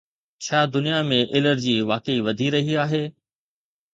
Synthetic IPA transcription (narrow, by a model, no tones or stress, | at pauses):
t͡ɕʰaːd̪ʊnijamẽʔɪləɾd͡ʑiːʋaːkəiʋɐd̪ʱiɾɐɦiaːɦeː